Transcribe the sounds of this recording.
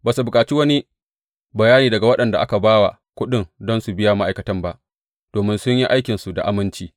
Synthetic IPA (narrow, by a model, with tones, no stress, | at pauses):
baː˨su˨bʊ˨kʼaː˨t͡ʃiː˦wɐ˦ni˦ | bɐ˨jaː˦niː˨dɐ˨ɡa˨wɐ˦ɗɐ˨nda˨ʔa̰˦ka˨baː˦wa̰˨ | kʷʊ˦ɗɪ˦˨ŋdɔ˦nsu˨bɪ˦ja˦ma˦ʔa˨jkɐ˦tɐ˦mba˦˨ʔ | d̥oː˨mɪ˦nsʊ˦ɲji˦ʔa˦jkʲɪ˨nsu˨da̰˨ʔa˨mɪ˦nt͡ʃiː˦